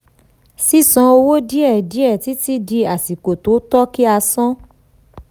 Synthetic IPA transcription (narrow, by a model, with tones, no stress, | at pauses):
si˦sɔ̃˧o˧wo˦di˦ɛ˦˨di˨˦ɛ˦˨ti˨˦ti˦di˧a˨si˨ko˨to˨˦tɔ˦ki˦a˧sɔ̃˦